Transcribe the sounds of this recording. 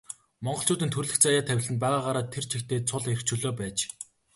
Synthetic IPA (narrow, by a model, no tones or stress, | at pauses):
mɔɴɢɞ̆ɬt͡ɕʰʊːt̪ĭːnt̪ʰɵrɮɘ̆xkt͡sʰajaːt̪ʰæwʲɪ̆ɮɘ̆np̬æːʁaːʁaːɾaːt̪ʰːer̥t͡ɕʰikt̪ʰeːt͡sʰʊɮer̆kt͡ɕʰuːɮoːpæːt͡ɕ